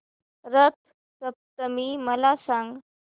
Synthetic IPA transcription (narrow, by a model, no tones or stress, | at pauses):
ɾət̪̚ʰ | səp̚t̪əmiːməlasãŋɡ